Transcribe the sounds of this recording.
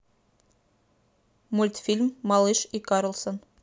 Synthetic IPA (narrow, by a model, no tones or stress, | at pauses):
mulʲt̪fʲilʲmːɑlˠiʃikɑɾŏlˠsŏn